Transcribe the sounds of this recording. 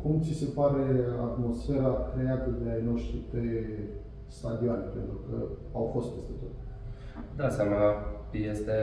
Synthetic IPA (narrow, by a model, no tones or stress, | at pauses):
kumt̪sise̞paɾe̞at̪mo̞sfe̞ɾakɾe̞at̪əd̪e̞ajno̞ʃt̪it̪e | st̪ad̪ioanʲepe̞nt̪ɾukəawfo̞st̪̚pe̞st̪e̞t̪o̞t̪ | d̪asamə | jest̪e